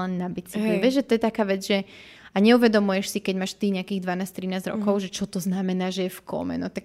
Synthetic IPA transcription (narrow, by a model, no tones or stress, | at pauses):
ɛnːabit͡siɦɛʋɛʒʒɛt̪ɔjɛt̪akaːʋɛd͡zʒɛ | aɲɛuʋɛd̪ɔmujɛʃsikɛɟmaːʃt̪iːɲɛakiːɣd̪ʋanaːst̪ɾinaːzɟɾɔ̰kɔʊʒɛt͡ʃɔt̪ɔznamɛnaːʒɛjɛfkʰɔ̰mɛ̰nɔt̪ak